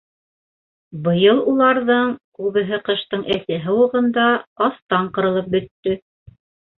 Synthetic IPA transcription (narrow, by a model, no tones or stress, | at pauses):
bɤ̆jɤlˠulˠɑɾðɤɴkʉβɘ̆ɦɘqɤ̆ʃt̪ɤɴʔæθɘɦɤ̆wɤ̆ʁɤ̆nd̪ɑɑθt̪ɑɴqɤ̆ɾɤ̆lˠɤp̚bɵ̆t̪ːɵ